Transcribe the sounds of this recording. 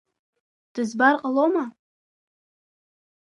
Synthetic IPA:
d̥ɨzbarqʼaloma

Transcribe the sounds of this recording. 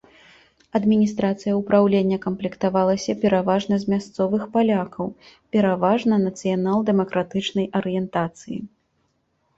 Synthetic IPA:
ɐd̪mʲinʲist̪ɾat̪sɨjɐupɾawlʲenʲːɐkɐmplʲikt̪avalˠɐsʲɐpʲɛɾavaʐnɐzʲmʲast̪sɔvɨxpalʲakɐw | pʲɛɾavaʐnɐnɐt̪sɨjanalˠd̪ɛmɐkɾat̪ɨt͡ʂnɐjʔɐɾɨjɛnt̪at̪sɨjḭ

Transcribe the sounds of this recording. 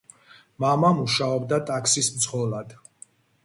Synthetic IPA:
mamamuʃaɔbd̪at̪ʼakʰsismt̪sʰʁɔlˠad̪̥

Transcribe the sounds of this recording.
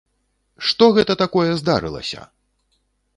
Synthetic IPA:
ʂt̪ɔɣɛt̪ɐt̪akɔjɛzd̪a̰ɾɨ̰lˠɐ̰sʲɐ̰

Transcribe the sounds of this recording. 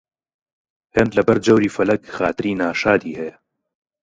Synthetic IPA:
heːnd̪lɐbɐɾd͡ʒɐwɾiːfɐlɐkxa̰ːt̪ɨɾiːnaːʃaːd̪iːhɛjɐ

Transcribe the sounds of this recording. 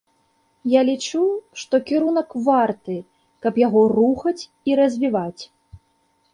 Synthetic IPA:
jalʲit͡ʂuʂt̪ɔkʲiɾunɐkvart̪ɨ | kɐpjaɣɔruxɐt͡sʲ | iɾɐzʲvʲivat͡sʲ

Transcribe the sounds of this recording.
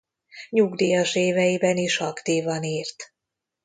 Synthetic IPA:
ɲuɡd̪iːjɒʃeːvɛjibɛniʃɒkt̪iːvɒniːrt̪

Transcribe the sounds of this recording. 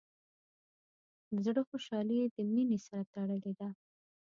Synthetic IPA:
d̪əzɽəxoʃɑlid̪əminesaɾat̪aɽəled̪a

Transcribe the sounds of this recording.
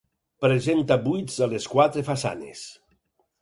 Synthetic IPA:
pɾezent̪abujzaleskwat̪ɾefasa̰nḛs

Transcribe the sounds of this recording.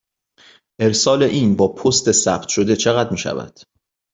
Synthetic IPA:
ʔe̞ɾsɒːle̞ʔiːnbɒːpʰost̪e̞sæb̥t̪ʰʃo̞d̪e̞t͡ʃʰeɣæd̪miːʃæ̰væ̰d̪̥

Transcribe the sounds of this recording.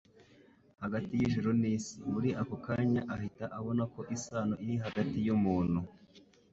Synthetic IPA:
haɡatijiʒuɾoniːsimuɾiʔakokaɲaʔahitaʔaβo̞nako̞ʔisaːnoʔiɾiɦaɡatijumuːn̥hu

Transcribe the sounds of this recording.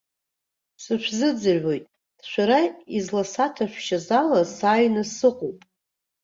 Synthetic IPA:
sɨʃʷᶣʰzɨd͡zɨrʕʷo̞jtʼ | ʃʷᶣaɾaizlasatʰaʃʷᶣʃazalasaːjnasɨqʼowpʼ

